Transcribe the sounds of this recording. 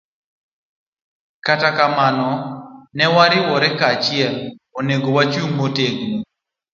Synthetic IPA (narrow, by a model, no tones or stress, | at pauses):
katakamanɔnɛwaɾɪwɔɾɛkaːt͡ʃɪɛloneɡowat͡ʃumːoteɡno